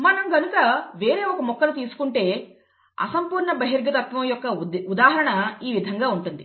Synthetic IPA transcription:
mɐnɐmɡɐnukɐʋe̞ːɾe̞ːɔkɐmɔkːɐnut̪̬iːsu̥kuɳʈe̞ː | ɐ̰sɐmpuːɾɳɐbɐɦiɾɡɐt̪ɐt̪ʋɐmɐjɔkːɐud̪aːɦɐɾɐɳɐiːʋid̪ʱɐŋɡaːuɳʈund̪i

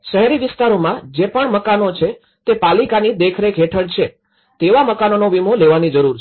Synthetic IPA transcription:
ʃəɦɛɾiʋɪst̪aɾomãd͡ʒepəɳməkanot͡ʃʰe | t̪epalikanid̪ekʰɾekɦeʈʰəɭt͡ʃʰe | t̪eʋaməkanonoʋimoleʋanid͡ʒəɾuɾ

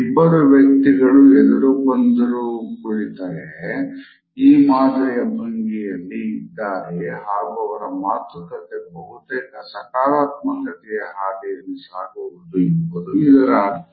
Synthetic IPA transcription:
ibːɐɾuʋjɐk̚t̪iɡɐɭuɛd̪ɐɾubɐnd̪ɐɾukuɽit̪aːɾe | iːmaːd̪ɾɐjɐbʱɐŋɡijɐlːiːd̪ːaːɾeɦaːɡuɐʋɐɾɐmaːt̪ɐk̪ɐt̪ːebɐɦut̪eːkɐsɐkaːɾaːt̪mɐkɐʈ̪ɛjɐɦaːd̪ɛjɐlːisaːɡuʋud̪uibːɐd̪uid̪ɐɾaː

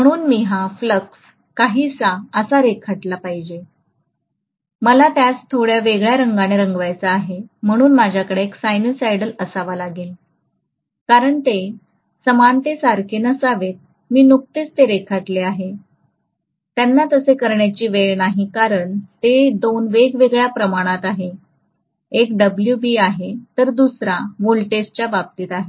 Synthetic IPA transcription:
m̤əɽ̃uːnmiɦafləks | kaɦiːsaəsaɾekʰaʈlapaɦid͡ʑe | məlat̪jat͡st̪ʰoɽjaʋeɡɭjaɾəŋɡaɽ̃eɾəŋɡʋajt͡saːɦem̤əɽ̃uːnmad͡ʑʱjakəɽeːksajnəsajɽələsaʋalaɡel | kaɾəɳt̪e | səmant̪esaɾkʰenəsaʋet̪̚ | miːnuk̚t̪et͡st̪eɾekʰaʈ̪leaɦe | t̪janːat̪əsekəɾɳjat͡ɕiːʋeɭnaɦikaɾəɳt̪ed̪onʋeɡʋeɡɭjapɾəmaɽ̃at̪aɦe | ekɖəbljubiaɦet̪əɾd̪usɾaʋolʈest͡ɕjabab̚t̪iːt̪aɦe

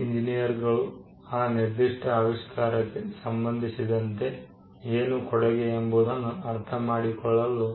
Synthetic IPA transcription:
iɲd͡ʒinijɐɾɡɐɭu | aːniɾd̪iʂʈɐaʋiʂkaːɾɐkːesɐmbɐnd̪ʱisid̪ɐnt̪e̞ | eːnukɔɽɐɡeːmbud̪ɐnːuɐɾt̪ʰɐmaːɽikɔɭːɐlːu

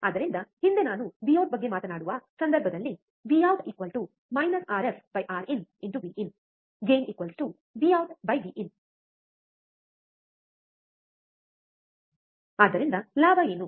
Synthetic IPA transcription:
aːd̪ɐɾind̪ɐhind̪enaːnuʋiːɐwʈ̚bɐɡːe̞maːt̪ɐnaːɽuʋɐsɐnd̪ɐɾbʱɐd̪ɐlːi | ʋiɐwʈikʋɐlʈu | mɐjnɐsaːɾesbɐjʔaːɾineɳʈuʋiːʔin | ɡeːnikʋɐlsʈu | ʋiːɐwʈbɐjʋiʔin | aːd̪ɐɾind̪ɐlaːbʱɐeːnu

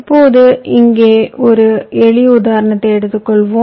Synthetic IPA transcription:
pːoːðɯɪŋɡeːɔɾɯɛɭɪʊðaːɾɐɳɐt̪ːɐɛɽɯt̪ːɯkːɔɭʋõː

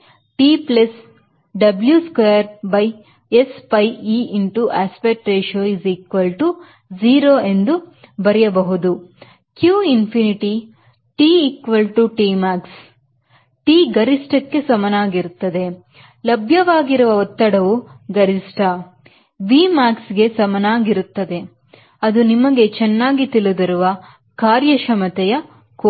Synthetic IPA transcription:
ʈiːplɐs | ɖɐbljuskʋeːjɐɾbɐj | espɐjiːinʈuʔaːspeʈɾeːʃoːiziːkʋɐlʈu | d͡ʒiːɾoːe̞nd̪ubɐɾɛjɐbɐɦud̪u | kjuːinpʰiniʈi | ʈiːikʋɐlʈuʈiːmaːks | ʈiːɡɐɾisʈɐkːe̞sɐmɐnaːɡiɾut̪ːɐd̪e̞ | lɐbʱjɐʋaːɡiɾuʋɐɔt̪ːɐɽɐʋuɡɐɾisʈɐ | ʋiːmaːksɡe̞sɐmɐnaːɡiɾut̪ːɐd̪e̞ | ɐd̪unimɐɡe̞t͡ʃɛnːaːɡit̪ilud̪iɾuʋɐ | kaːɾjɐʃɐmɐt̪ɛjɐ | ko

